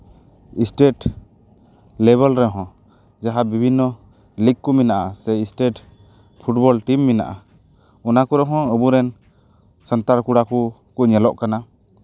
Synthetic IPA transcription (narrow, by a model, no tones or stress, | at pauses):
isʈeʈ | lɛβəlɾɛɦɔ̃ | d͡ʒaɦabibʱinːɔ | likkːuminaʔasɛisʈeʈ | pʰuʈbɔlʈimːina̰ʔa | unakuɾɛɦɔ̃əbuɾɛn | sənt̪aɾkuɽaku | kuɲɛlɔʔkana